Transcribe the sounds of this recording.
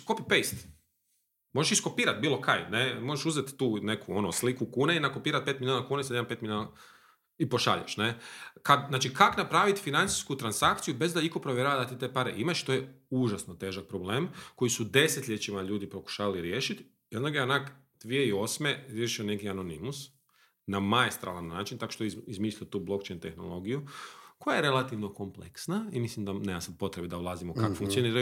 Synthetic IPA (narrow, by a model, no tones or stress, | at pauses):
kopipejst̪ | mo̞ʒeʃisko̞piːɾat̪̚biːlˠo̞ka̰jnemoʒeʃuzet̪ːuːne̞kʰuo̞noslikukuːneinakopiːɾat̪̚pet̪milʲʎʲjonakuːnesadampe̞t̪milʲjona | ipoʃa̰ʎa̰ʃnekad̪zaːt͡ʃikaknapɾaːʋit̪finant̪si̥skut̪ɾansakt̪sijube̞zd̪aikopɾoʋʲjɛɾaːʋad̪at̪it̪eːpaɾḛʔimaʃt̪ojeuʒasnot̪e̞ːʒak̚pɾobleːmko̞jisud̪e̞set̪ʎʲe̞t͡ʃimaʎuːd̪ipɾo̞ku̥ʃaːʋaliɾjeːʃit̪ | jond̪aɡeanak | d̪̥ʋijeio̞smeɾjeʃione̞kiano̞nimus | namaest̪ɾa̰lˠanːaːt͡ʃint̪akoʃt̪ojizmiːslʎiot̪uːblˠo̞kt͡ʃejnt̪e̞̰xno̞̰lˠo̞ɡijuko̞jaje̞ɾe̞lˠat̪iʋno̞komplḛksnaimislimd̪aneːmasad̪̚po̞t̪ɾebid̪aulˠaːzimokakfuŋk̪sijoniːɾaju